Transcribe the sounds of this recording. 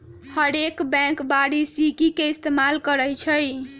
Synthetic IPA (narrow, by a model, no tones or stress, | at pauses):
həɾekbɛ̃ŋkbaɽisikikeist̪emalkəɾəjt͡ʃʰəj